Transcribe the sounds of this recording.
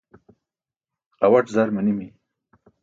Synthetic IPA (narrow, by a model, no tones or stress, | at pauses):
awaʈzaɾmanimi